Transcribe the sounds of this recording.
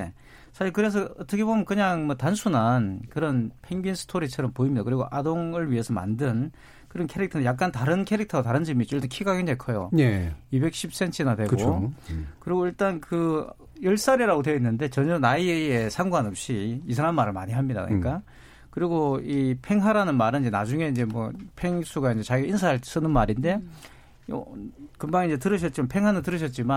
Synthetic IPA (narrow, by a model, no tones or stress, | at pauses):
e | sʰaɕiɭkɯɾe̞s̬ʰʌʌt͈ʌkʰe̞bomijʌnkɯɲaŋmʌtansʰunankɯɾʌnpʰe̞ŋɡinsʰɯ̥tʰoɾit͡ɕʰʌɾʌmpoimɲidakɯɾiɡo̰ʔadoŋɯɭɥiɦe̞sʰʌma̰ndɯn | kɯɾʌnkʰe̞ɾik̚tʰʌnejak̚k͈antaɾɯnkʰe̞ɾik̚tʰʌataɾɯnd͡ʑemit͡ɕ͈oiɭt͈ankʰiɡaɡendekʰʌjo̰eibe̞k̚ɕ͈ʰip̚s͈e̞nt͡ɕʰinadwe̞kɯɡookɯɾiɡoiɭt͈ankɯ | jʌɭs͈aɾiɾaɡotweinːɯnde̞t͡ɕʌɲʌnaiee̞sʰaŋɡwanʌp̚ɕ͈iisʰaɾanmaɾɯɭmaɲiɦamɲida̰kɯ̰ɲḭk͈a | kɯɾiɡoipʰe̞ŋɦaɾanɯnmaɾɯid͡ʑenad͡ʑuŋe̞ind͡ʑe̞mwʌ̰pʰe̞ŋs͈ʰuɡaind͡ʑe̞t͡ɕaɡiinsʰaaɭts͈ɯnɯnmaɾinde̞̰ | kɯmbaŋind͡ʑet̬ɯɾɯɕ̬ʰʌt̚t͡ɕ͈imanpʰe̞ŋɦanɯt̬ɯɾɯɕ̬ʰʌt̚t͡ɕ͈ima